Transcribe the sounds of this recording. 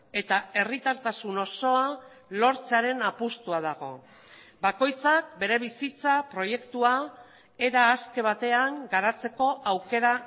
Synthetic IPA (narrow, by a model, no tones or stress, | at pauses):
e̞t̪ae̞rit̪aɾt̪asuno̞so̞a | lo̞ɾt͡saɾe̞napust̪uað̞aɣ̞o̞̰ | bako̞jt͡sak̚be̞ɾe̞β̞isit͡sapɾo̞je̞kt̪ua | e̞ɾaːske̞β̞at̪e̞aŋɡaɾat͡se̞ko̞ʔawke̞ɾa